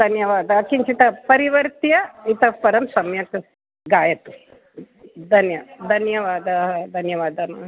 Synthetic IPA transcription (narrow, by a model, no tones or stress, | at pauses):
d̪ʱɐnjɐʋaːd̪ɐkint͡ʃit̪ɐpɐɾiʋɐɾt̪jɐit̪ɐpɐɾɐmsɐmjɐk̪ | ɡaːjɐt̪u | d̪ʱɐnjɐd̪ʱɐnjɐʋaːd̪aɦd̪ʱɐnjɐʋaːd̪anɐ